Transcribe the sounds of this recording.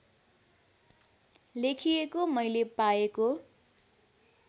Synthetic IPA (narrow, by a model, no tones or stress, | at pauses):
lekʰijekomʌjlepaeko